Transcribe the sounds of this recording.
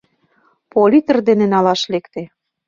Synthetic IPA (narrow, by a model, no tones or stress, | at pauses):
polʲit̪ə̆rd̪enĕnɑlɑʃlekt̪ĕ